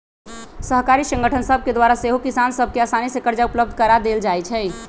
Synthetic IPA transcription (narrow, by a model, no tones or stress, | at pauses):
səɦkaɾisə̃ŋɡəʈʰənsəb̚ʱked̪waɾaseɦokisansəb̚ʱkeasanisekəɾd͡ʒaupləb̚d̪ʱkəɾad̪eld͡ʒajt͡ʃʰɛ